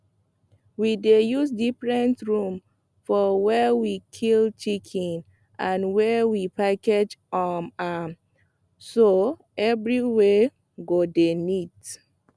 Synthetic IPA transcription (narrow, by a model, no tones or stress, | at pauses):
widejusdifɹɛ̃ntɹũm | fɔwɛwikʰilt͡ʃikʰĩn | ãnwɛwipaked͡ʒɔma | so | ɛvɹiwe | ɡodenit